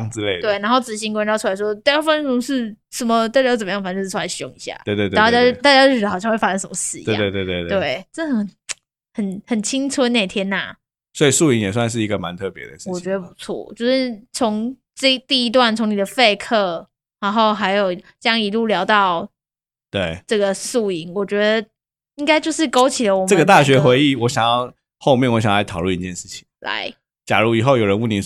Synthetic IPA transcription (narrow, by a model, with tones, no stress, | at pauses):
ŋt͡sɻ̩˥˧le˥˧˩t̪we˥˩ɪna˧˥nxo˥˩ʊt͡sɻ̩˨˩ɕi˧˥ŋkwnɑ˥˧ʊu˥˩a˧˥ɪʂwɔ˥t̪a˥˩jfa˥ə˥˩o˥ŋʂɻ̩˥˧ | sə˨˩nmə˦t̪a˥˩t͡ɕa˥jt͡sə˨˩m˨jɑ˥˩fa˧˥˩t͡ɕo˥˧ʂ̩ʰ˥˩˥la˧˩ɪɕjo̰˥˨ŋi˧˥ɕja̰˥˩we˥˧˨t̪we˥˧t̪a˥˧˩ja˥t̪a˥˩t͡ɕa˥o˥˩˧ɕjɑ˥ŋxwe˥˩fa˥ʂə˥˧nʂə˩mə˧˦sɹ̩˥˩i˨ḛ˥˧˨e˥˧t̪we˥˨e˥˧t̪we˥˩ɪʈ͡ʂə˥˩˧ə˨ | hə˨˩nxə˨˩nt͡ɕʰi˥ŋt͡sʰwə˥ne˥˩ɪt̪ʰjɛ˥nna̰˨˩ | swɔ˧˥i˨˩su˥˩i˧˥˦ŋjɛ˨˩s̬wa˥˧nʂ̬ɻ̩˥˩i˧˥ɡə˨ma̰˧˦nt̪ʰɤ˥˩pjɛ̰˧˦d̪ə̰˩ʂ̩˥˨wɔ˨˩t͡ɕɥɛ˧˥d̪ə˧˩pu˧˥t͡sʰwɔ̰˥˩t͡ɕjo˥˧ʊʂɻ̩˥˩t͡sʰʊ˧˦ŋ | ʈ͡ʂt̪i˥˩i˧˥t̪̬wa˥˩nt͡sʰʊ˧˥ŋni˨˩d̪ə˩fe˥˧ɪkʰɤ˥˩ | ɻa˧˥nxo˥˩ʊɦa˧˥ɪjo˨˩ʊ˥ | jɑ˥ŋi˧lu˥˩ljɑ˧˥ʊt̪ɑ˥˨˩ʊ | t̪we˥˩ɪʈ͡ʂɤ˥˩ɡə˩su˥˩i˧˥ŋwɔ˨˩t͡ɕɥɛ˧˥d̪ə˧ | i˥ŋka˥ɪt͡ɕjo˥˧ʊʂɻ̩˥˩ko˥ʊt͡ɕʰi˨˩lə˦˩wɔ˨˩ʈ͡ʂə˥˨ɡə˨˦t̪a˥˩ɕɥɛ˧˥xwe˧˥ɪi˥˩wɔ˧˦˥ɕjɑ˨˩ŋjɑ˥˧ʊ | xo˥˧ʊmjɛ˥˨nwɔ˧˥ɕ̬jŋɑ˥˩la˧˥t̪ʰɑ˨˩ʊlu˥˨ni˨˥t͡ɕjɛ˥˧nʂɻ̩˥˩t͡ɕʰi̥˩ŋla̰˧˦ɪ | t͡ɕja˨˩ɻu˥˩i˨˩xo˥˩ʊjo˨˩ʊɻə˧˦nwu˥˩ni˨˥˩